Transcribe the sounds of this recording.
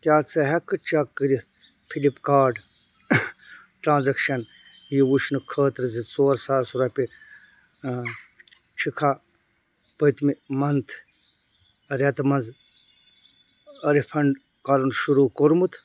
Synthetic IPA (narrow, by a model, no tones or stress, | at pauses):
kʲjaːt͡sɐɦɐkːɨt͡ʃakːɨɾi | pʰilipkaːɖ | ʈɾãːnzɐkʃɐn | jiwuʃnɨkʰəːt̪ɾɨzit͡soːɾsaːsuɾɐpi | t͡ʃʰikʰaː | pəjt̪mimɐnt̪ʰ | ɐɾʲɐt̪mɐnz | ɐɾipʰɐɳɖ | kalunʃuɾuːkoɾmut̪ʰ